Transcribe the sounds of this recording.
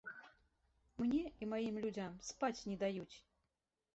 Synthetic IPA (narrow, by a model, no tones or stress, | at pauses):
mnʲɛimajimlʲud͡zʲamspat͡sʲnʲɛd̪ajut͡sʲ